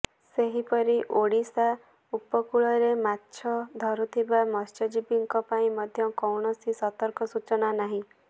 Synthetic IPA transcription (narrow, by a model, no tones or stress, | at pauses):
seɦipɔɾiʔoɽisa | upɔkuɭɔɾemat̪ːʃʰɔd̪ʱɔɾut̪ʰibamɔst͡ʃɔd͡ʒipiŋkɔpaĩmɔd̪ʱjɔkɔwɳɔsisɔt̪ɔɾkɔsut͡ʃɔnanaɦĩ